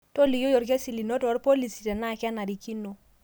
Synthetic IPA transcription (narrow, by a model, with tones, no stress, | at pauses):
to˦li˨jo˦jɔ˨ɾk̬ɛ˦si˨li˨no˦tɔ˨˦ɾpo˦li˨si˨tɛ˨na˦˨ka˦na˨ɾi˨ki˦no˨